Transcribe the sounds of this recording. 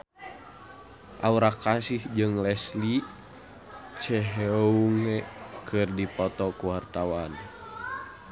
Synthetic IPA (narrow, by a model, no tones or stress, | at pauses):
ʔauɾakasihd͡ʒɨŋlɛsli | t͡ʃɛɦeouŋɛkʰɨrdipɔt̪ɔkuwart̪awan